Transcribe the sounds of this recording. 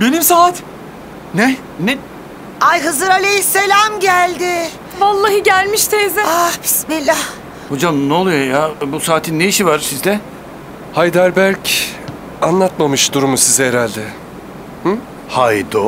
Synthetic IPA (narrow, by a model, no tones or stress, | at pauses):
be̞nimsaːt̪ | nɛ | nɛ | ajɦɯzɯɾalʲejise̞lʲamɟælʲd̪ɪ | valˠːaɦɯɟælʲmiʃt̪ʰezɛabi̥smilʲːah | ho̞d͡ʒamnoolˠujojabusaːt̪ʰinːeiʃivaɾsizd̪ɛ | hajd̪æɾbæɾc | anlˠat̪mamɯʃd̪uɾumusizɛeɾalʲd̪ɛ | h̩ | hajd̪o